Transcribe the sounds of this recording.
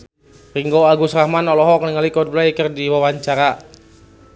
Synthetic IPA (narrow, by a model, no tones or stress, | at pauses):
riŋɡoaɡusɾahmanɔlɔɦɔkənəŋalikɔd̪̚blajkərdiwawaɲt͡ʃaɾa